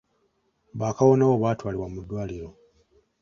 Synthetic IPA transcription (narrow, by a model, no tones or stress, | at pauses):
βaːkawo̞nawoβaːtwaːliβwamudːwaːliɾo̞